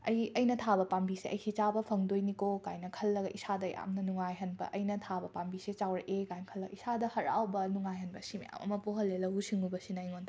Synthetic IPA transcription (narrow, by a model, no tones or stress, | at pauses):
ɐjɐjnɐtʰabɐpambiseɐjkʰit͡ʃabɐpʰɐŋdojnikokajnɐkʰɐlːɐɡɐʔisadɐja̰mnɐnuŋajɦɐnbɐ̰ʔɐjnɐtʰabɐpambiset͡ʃawɾɐʔekajnɐkʰɐlːɐɡɐisadɐhɐɾa̰wbɐnuŋajɦɐnbɐsimḭja̰mʔɐ̰mɐpoɦɐlːelɐɦusiŋubɐsinɐjŋond